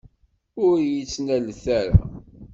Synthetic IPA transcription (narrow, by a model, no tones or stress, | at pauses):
ʊɾjit͡sːnælθæɾa̰